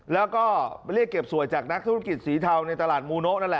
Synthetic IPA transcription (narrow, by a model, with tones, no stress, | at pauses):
lɛː˦˥wkɔː˥˩li˥˩kːe˨˩p̚su˨˩əjt͡ɕaː˨˩k̚na˦˥t̪ʰu˥˩ŋki˨˩t̪̚siː˩˦t̪ʰa˧wna˧jt̪aː˧laː˨˩t̪̚muː˧no˦˥na˦˥˩lɛ˨˩